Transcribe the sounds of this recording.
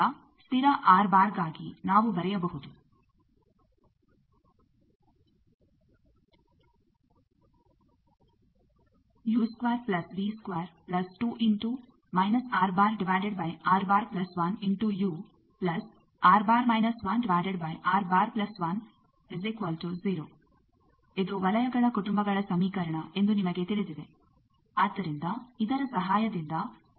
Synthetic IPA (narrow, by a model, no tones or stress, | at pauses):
a | st̪iɾaʔaːɾbaːɾɡaːɡinaːʋubɐɾɐjɐbɐɦut̪u | juːskʋaːɾplɐsʋiːskʋaːɾplɐsʈuːʔiɳʈu | mɐjnɐsaːɾbaːɾɖiʋaːjɖeɖ̚bɐjaːɾbaːɾplɐsʋɐniɳʈujuː | plɐs | aːɾbaːɾmɐjnɐsʋɐnɖiʋaːjɖeɖbɐjʔaːɾbaːɾplɐsʋɐn | izikʋɐlʈuziːɾoː | ed̪uʋɐlɐjɐɡɐɭɐkuʈumbɐɡɐɭɐsɐmiːkɐɾɐɳɐʔe̞nd̪unimɐɡet̪iɭid̪id̪e̞ | aːd̪ːɐɾind̪ɐid̪ɐɾɐsɐɦaːjɐd̪ind̪ɐ